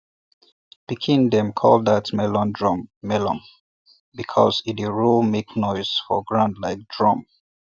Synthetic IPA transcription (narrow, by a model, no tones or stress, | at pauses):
b̥ikʰĩndɛ̃mkʰɔ̰lˠdatmɛlɔ̃ndɹɔmːɛlɔ̰̃m | bikʰɔ̰zidiɹulmeknɔɪz̥fɔ̰ɡɹãndlaɪk̚d̥ɹɔ̃m